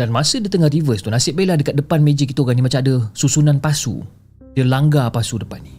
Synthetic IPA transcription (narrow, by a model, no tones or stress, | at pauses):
danmãsədit̪əŋarivəst̪unasɪʔ̚belahdəkat̪̚dəpanmed͡ʒik̬it̪əoɡanimat͡ʃamadəsusunãnpasṵ | dəlaŋɡapasudəpanːi